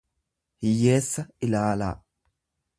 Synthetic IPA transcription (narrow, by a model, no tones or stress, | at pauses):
hɪjːeːsːɐɪlaːla̰ː